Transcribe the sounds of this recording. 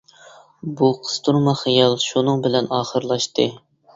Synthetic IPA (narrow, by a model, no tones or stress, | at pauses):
buqʰə̥st̪ʰuɾmɑχijɑlˠʃunɨŋbɪlɛnɑːχəɾlˠɑʃt̪ɨ